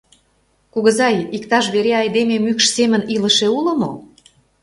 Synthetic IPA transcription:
kuɣə̆zɑjikt̪ɑʃβeɾeɑjd̪ememykʃsemə̆nilə̆ʃeulə̆mo

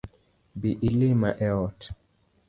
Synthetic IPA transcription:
biʔilimaʔɛɔt

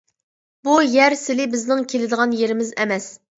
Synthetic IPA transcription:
bujæɾsɪlɪbɪznɪŋkʲʰelɪd̪əʁɑnjeɾɪmɪzɛ̰mɛs

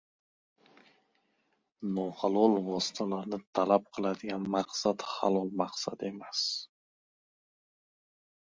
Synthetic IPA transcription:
nɒhalˠɒlˠvɒsɪ̥t̪ʰalaɾnɪt̪ʰalap̚qʰɨlˠad̪ɪɡʲanmaqsat̪ha̰lˠɒlˠmaqsa̰d̪e̞mas

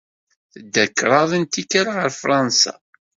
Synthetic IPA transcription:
θəd̪ːækːɾˤɑðˤənt̪ikːaɾaʁəɾfɾˤɑnsa̰

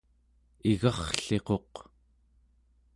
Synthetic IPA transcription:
iɣɑχɬe̞qo̞q

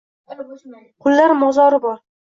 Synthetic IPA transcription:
qʰʊlˠːaɾmɒzɒɾɪbɒɾ

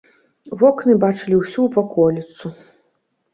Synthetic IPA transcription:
vɔknɨbat͡ʂɨlʲiwsʲuvakɔlʲit̪su

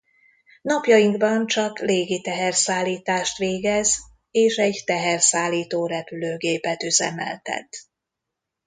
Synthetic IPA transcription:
nɒpjɒjiŋɡbɒnt͡ʃɒkleːɡit̪ɛɦɛrsaːlːiːt̪aːʃt̪ʋeːɡɛz | eːʃɛɟt̪ɛɦɛrsaːlːiːt̪oːɾɛpyløːɡeːpɛt̪yzɛ̰mɛ̰lt̪ɛ̰t̪

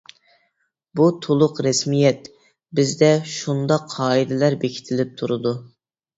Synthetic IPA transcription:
but̪ʰolˠʊqɾɛsmijɛt̪ | bɪzd̪ɛʃund̪ɑqʰːɑːid̪ɪlæɾbekʲʰi̥t̪ʰɪlɪp̚t̪ʰuɾɨd̪u

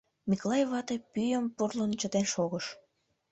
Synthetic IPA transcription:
mikolˠɑjevɑt̪epyjəmpurlənt͡ɕət̪enʃoɣəʃ

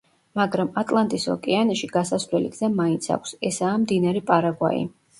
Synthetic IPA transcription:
maɡɾamat̪ʼlˠant̪ʼisɔ̰kʼianaʃiɡasasvɾɛlḭɡzamaint̪sʰa̰kʷʰsɛsaːmd̪inaɾipʼaɾaɡwa̰ḭ

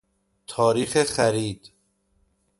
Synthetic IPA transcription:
t̪ʰɒːɾiːxexæɾiːd̪̥

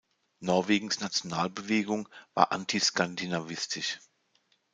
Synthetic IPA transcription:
nɔɐveːɡŋ̩snat͡sjonaːlbəveːɡʊŋva̰ːɐʔa̰ntʰiskʰandinavɪstʰɪʃ

